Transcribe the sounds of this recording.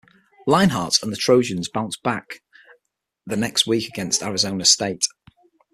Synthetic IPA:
lãɪ̃nɦɑˑtsə̃nðətʰɹ̥oʊd͡ʒə̃nzbãʊ̃nʔb̥ak | ðənɛkstwiˑkəɡɛ̃nstaɹɪzõʊ̃nəsteɪt

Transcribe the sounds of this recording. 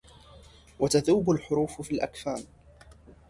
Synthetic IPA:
wat̪aðuːbalħʊɾuːffiːlʔakfaːn

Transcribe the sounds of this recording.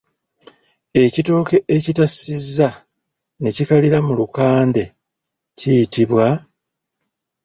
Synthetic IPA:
e̞cito̞ːke̞ʔecitasizːa | ne̞cikaliɾamulukaːnde̞ | cijitiβwa

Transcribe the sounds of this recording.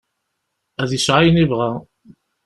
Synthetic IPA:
æðjəʃʕajnivʁa

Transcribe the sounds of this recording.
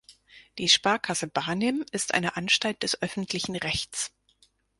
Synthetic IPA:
d̥iːʃpaɐkʰasəbaːnɪmɪstʔa̰ɪnəʔanʃtalt̚d̥ɛsʔœfn̩tʰlɪçn̩ʁɛçt͡s

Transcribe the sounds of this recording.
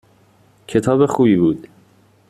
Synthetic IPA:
cʰe̞t̪ʰɒːbexuːbiːbuːd̪̥

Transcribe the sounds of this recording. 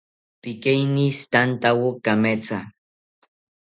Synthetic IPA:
pikejnist̪ant̪awokamet͡sa

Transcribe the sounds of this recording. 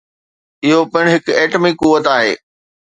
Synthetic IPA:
ɪɦopɪɽ̃ɦɪkeːʈmɪkuʋət̪aːɦeː

